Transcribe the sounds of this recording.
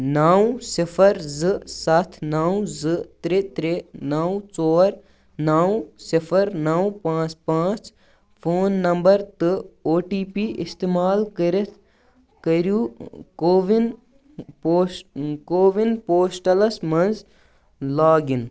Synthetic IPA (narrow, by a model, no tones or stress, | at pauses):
naːwsipʰɐɾzɨsɐt̪ʰnaːwzɨt̪ɾet̪ɾenawt͡ʃɔːɾ | naːwsifʰɐɾnɐwpãːt͡spãːt͡ʃ | pʰoːnːɐmbɐɾt̪ɨoːʈiːpiːst̪eːmaːlkɐɾit̪ʰ | kɐɾjukoːʋinː | koːʋinpoːsʈɐlɐsmɐnz | laːɡin